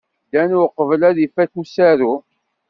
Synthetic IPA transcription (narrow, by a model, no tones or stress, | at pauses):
d̪ænuqːəvəlæðifækusæɾu